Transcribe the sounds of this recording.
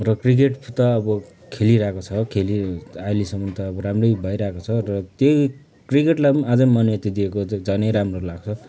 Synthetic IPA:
rʌkrik̬eʈpʰut̪aːbʌ | kʰeliɾaekot͡sʰʌkʰeliajlisʌmʌnt̪ʌːbʌɾamrʌjbʱajɾaekot͡sʰʌrʌt̪jo | krikeʈlaad͡zʌnmʌnjʌt̪id̪iekod͡zanʌjɾamrolaɡ̚t͡sʰʌ

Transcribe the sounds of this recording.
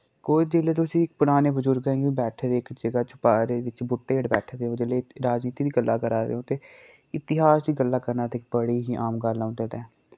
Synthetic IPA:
koːid͡ʒeːleːt̪̬osĩːɪk̚pʊɽ̃aːneːbəzʊɾɡɛ̃ːɡebɛːʈʰːd̪eːkd͡ʒəɡaːt͡ʃʊ̥paːɾeːʋɪt͡ʃbʊʈːeːɽbɛːʈʰːd̪eːõd͡ʒ̪eleɾaːd͡ʒniːt̪iːd̪iːɡəlːaːkəɾaːɾḛːõːt̪eː | ɪt̪ɪɦaːsd̪iːɡəlːaːkəɾnaːt̪eːk̚bəɽiːɦiːʔaːmɡəlːãːnd̪eːt̪ɛː

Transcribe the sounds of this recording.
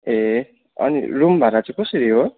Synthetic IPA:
e | ʌ̰nḭrumbʱaɾat͡sʌ̃kʌsʌɾiɦo

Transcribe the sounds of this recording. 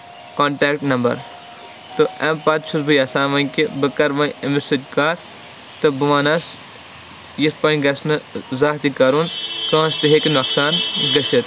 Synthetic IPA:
koːɳʈeːk̚ʈnɐmbɐ̰ɾ | t̪ɨɐmpat̪̚t͡ʃʰusbɨjɐsaːmɐ̃nkibɨkɐɾʋɐnɐmisɨt̪̚ʲkaːɾ | t̪ɨbɨʋɐːnɐs | jispɐnɡɐsnɨzaːt̪ikɐɾunkɐ̃ːst̪iɦekinɐksaːnɡɐsit̪

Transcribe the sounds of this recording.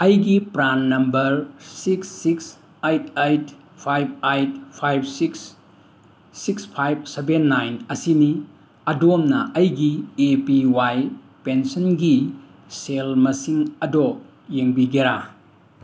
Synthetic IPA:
ɐjɡipɾanːɐmbɐɾsiksːiks | ejtʰejt | pʰajb̚ajt̚pʰajb̚siks | ikspʰajb̚sebenːajnɐsini | ɐdomnɐʔɐjɡiepiwaj | pensɔnɡi | selmɐsiŋɐdɔp | jeŋbiɡeɾa

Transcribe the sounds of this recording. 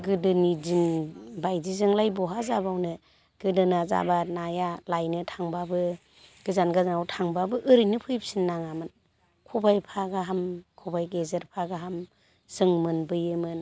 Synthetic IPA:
ɡɯdɯnid͡ʒinbajzizɯŋlajbɔɦazabawnɯ | ɡ̥ɯdɯnaza̰banajalajnɯtʰaŋbabɯ | ɡ̥ɯzanɡazanawtʰaŋbabɯʔɯɾɯnɯpʰɯjp̚sinːaŋamɯn | kʰubajpʰaɡaɦamkʰubajɡezeɾpʰaɡaɦam | sɯŋmɯnbɯjɯmɯn

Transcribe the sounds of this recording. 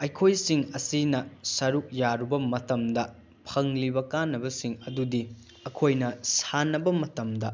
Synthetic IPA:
ɐjkʰojsiŋɐsinɐsɐɾuk̚jaɾubɐmɐtɐmdɐ | pʰɐŋlibɐkanːɐbɐsiŋɐdudi | ɐkʰojnɐsanɐbɐmɐtɐmdɐ

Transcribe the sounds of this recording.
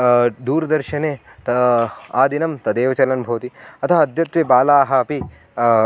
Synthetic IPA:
d̪uːɾɐd̪ɐɾʃɐneːt̪ɐaːd̪inɐmt̪ɐd̪eːʋɐt͡ʃɐlɐnbʱɐʋɐt̪iɐt̪ʰɐɐɐd̪jɐt̪ʋɐbaːlaːɦɐɐpi

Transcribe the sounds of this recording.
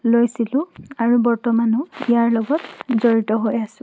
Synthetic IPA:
lojsilʊ̃aɹubɔɹtɔmanɔijaɹlɔɡɔtzoɹitɔɦojasʊ̃

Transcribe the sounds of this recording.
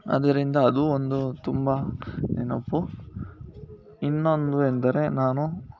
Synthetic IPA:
ɐ̰d̪ɐɾind̪ɐːd̪uond̪ut̪umbɐnenɐpːu | inːo̞nd̪uend̪ɐɾenaːnu

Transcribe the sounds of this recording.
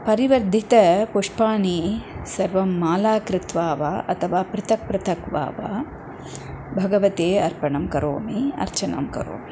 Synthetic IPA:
pɐɾiʋɐɾd̪ʱit̪ɐpoʂpaːɳisɐɾʋɐmːaːlaːkɾɪt̪ʋaːʋa̰ːʔɐt̪ʰɐʋaːpɾɐt̪ʰɐk̚pɾɐt̪ʰɐkʋa̰ːʋa̰ː | bʱɐɡɐʋɐt̪eːɐɾpɐɳɐmkɐɾo̰ːmiɐ̰ɾt͡ʃɐnɐ̰mkɐ̰ɾo̰ːmi̥

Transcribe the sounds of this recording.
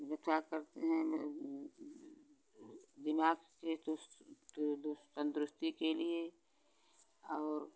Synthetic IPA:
ɡɐt̪ʰakɐɾt̪eɦɛ̃ | d̪ɪmaːɡket | d̪t̪ə̃nd̪ɾʊst̪ikelie | ɔːɾ

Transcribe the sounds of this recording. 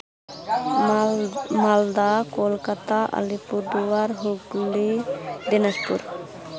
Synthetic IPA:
mald̪akolkat̪aʔa̰lipuɾd̪uwaɾɦuɡɡulid̪inaʃpṵɾ

